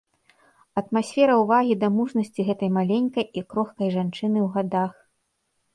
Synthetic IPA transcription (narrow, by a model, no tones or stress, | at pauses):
ɐt̪masʲfʲɛɾɐwvaɣʲid̪ɐmuʐnɐsʲt͡sʲiɣɛt̪ɐjmalʲenʲkɐjikɾɔxkɐjʐant͡ʂɨnɨwɣad̪ax